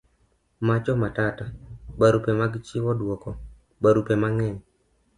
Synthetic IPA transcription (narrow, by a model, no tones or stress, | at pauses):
mat͡ʃɔmatatabaɾupemaɡt͡ʃɪwɔdwɔkɔ | baɾupemaŋɛɲ